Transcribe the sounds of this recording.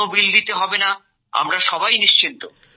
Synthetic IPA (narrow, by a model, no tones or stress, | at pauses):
obild̪it̪eɦɔbena | a̰mɾaʃɔbajniʃt͡ɕint̪o